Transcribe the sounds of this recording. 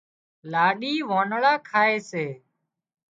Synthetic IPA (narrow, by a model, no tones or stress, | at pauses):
laːɗiːʋoːnɭaːkʰaːeːseː